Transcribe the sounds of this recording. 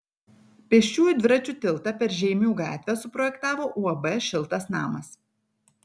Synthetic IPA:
pʲɛʃʲt͡ʃʲuːjʊd̪ʲʋʲɪɾɐt͡ʃʲut̪ʲɪlˠt̪ɐpʲɛɾʒʲɛɪmʲuːɡɑ̰ːt̪ʲʋʲɛsʊpɾɔjɛkt̪ɑːʋoːʔuːɐbɛʃʲɪlˠt̪ɐsnɑːmɐs

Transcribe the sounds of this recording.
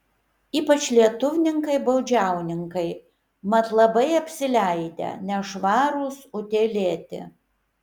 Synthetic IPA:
iːpɐt͡ʃʲlʲiɛt̪ʊʋʲɪnʲɪŋkɐɪbɐʊd͡ʒʲæˑʊnʲɪŋkɐɪ | mɐt̪lˠɐbɐɪɐpʲsʲɪlʲæɪd̪ʲɛ̰nʲɛʃʋɑːɾuːsʊt̪ʲeːlʲeːt̪ʲɪ̰

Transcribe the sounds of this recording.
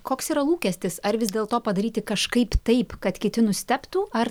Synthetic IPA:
koːksiːɾɐlˠuːkʲɛsʲt̪ʲɪsɐɾʋʲɪzʲd̪ʲeːlˠt̪oːpɐd̪ɐɾʲiːt̪ʲɪkɐʃkɐɪpt̪ɐɪpkɐt̪kʲɪt̪ʲɪnʊsʲt̪ʲɛpt̪uːɐr

